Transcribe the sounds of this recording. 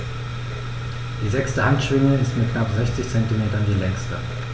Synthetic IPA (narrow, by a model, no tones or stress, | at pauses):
d̥iːzɛkstəhantʃv̥ɪŋəɪstmɪt̚knapz̥ɛçt͡sɪçt͡sɛntimeːtɐndiːlɛŋstə̰